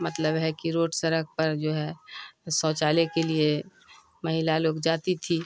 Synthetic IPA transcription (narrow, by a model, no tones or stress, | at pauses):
mət̪ləbɦɛkiɾoːʈsəɾək̚pəɾd͡ʒoːɦɛsɔ̃ːt͡ʃaːlekelie | mɐɦɪlaloːkd͡ʒaːt̪it̪ʰi